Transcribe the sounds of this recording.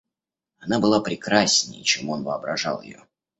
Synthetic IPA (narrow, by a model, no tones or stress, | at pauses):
ɐnabɨlˠapɾʲɪkɾasʲnʲɪjt͡ɕemo̞nvəɐbɾɐʐa̰lˠjɪ̰jo̰